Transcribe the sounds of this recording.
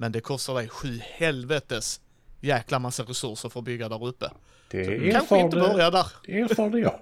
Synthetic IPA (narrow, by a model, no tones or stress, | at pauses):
mɛnd̪ɛkʰɔst̪ad̪ɛjɧʉ̟ːhɛlvɛt̪əs | jæːklamasːaɾɛsɵɾʂəɾfœɾbʏɡːad̪æɾɵpːə | d̪sɔd̪kːʰanɧəɪd̪əbœɾjad̪æɾeːɾfɑːɳə